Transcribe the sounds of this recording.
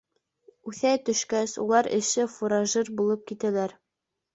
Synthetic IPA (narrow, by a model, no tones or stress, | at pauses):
ʉθæt̪ɵ̆ʃkæsṵlˠɑɾɘ̰̆ʃɘfuɾaʒiɾbulˠɤp̚kit̪ælæɾ